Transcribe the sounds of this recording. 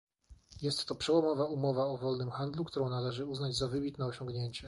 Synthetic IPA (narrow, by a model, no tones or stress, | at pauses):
jɛst̪ːɔpʂɛwɔmɔvaumɔvaɔvɔlnɘmxand̪lukt̪uɾɔ̃w̃nalɛʐɘuznad͡ʑzavɘbʲit̪nɛɔɕɔŋɡɲeɲt͡ɕɛ